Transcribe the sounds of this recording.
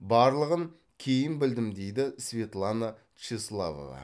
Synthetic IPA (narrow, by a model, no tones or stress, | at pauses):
bɑɾlˠəʁəŋ | kʲʰe̞jɪnbɪld̪ɪmd̪e̞jd̪ɪsvʲe̞t̪lˠana | t͡ʃeslˠa̰va̰vɑ̰